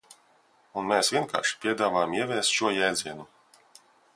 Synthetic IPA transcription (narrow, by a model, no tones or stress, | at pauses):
unmeːsvʲiɛnka̰ːɾʃi̥pʲiɛd̪aːvaːjmiɛvʲɛːst̪ʃuɔjɛːd̪ziɛnu